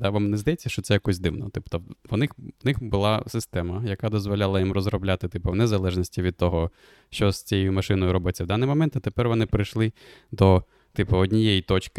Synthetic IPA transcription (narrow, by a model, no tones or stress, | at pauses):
d̪aʋamnɛzd̪ɐjet͡sʲːɐʃt͡ʃɔtsɛjɐkɔsʲd̪ɪwnɔt̪ɪpt̪ɔʋɔnɪxʋnɪxbʊlˠɑsɪst̪ɛmɐjɐkad̪ɔzʋɔlʲalˠɐjimrɔzrɔblʲat̪ɪt̪ɪpɐwnezɐlˠɛʒnʲisʲtʲiʋʲid̪̚t̪ɔɦɔ | ʃt͡ʃɔsʲt͡sʲɛjjʊmɐʃɪnɔjʊɾɔbɪt͡sʲːɐwd̪ɑnːɪjmɔmɛnt̪ɐt̪epɛrʋɔnɪpɾɪjʃlˠɪd̪ɔ | t̪ɪpɐɔdʲnʲijejit̪ɔt͡ʃkɪ